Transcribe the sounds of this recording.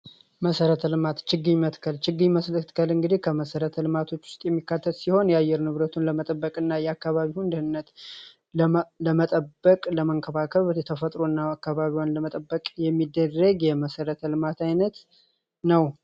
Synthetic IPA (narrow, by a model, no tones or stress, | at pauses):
məsəɾət̪ʰəlɨmat̪t͡ʃɨɡːɨɲmət̪kʰəlt͡ʃɪɡːɨɲməslət̪kʰəlɨŋɡɨd̪ihkʰəməsəɾət̪ʰəlɨmat̪ʰo̞t͡ʃːwʊ̥st̪ʼjɛmːikːat̪ʰːət̪siho̞njɛajɛɾnɨβɾət̪ʰunləmət̪ʼəbːəkʼɨnːajɛakːaβaβiwɨnd̪əhɨnːət̪ | ləmət̪ʼəbːəkʼləməŋkʰəβakʰəβjɛt̪ʰəfət̪ʼɾoɨnːaakːaβaβiwanləmət̪ʼəbːəkʼjɛmːid̪ːərːəɡjɛməsəɾət̪ʰəlɨmat̪ʰajnət̪ | nəw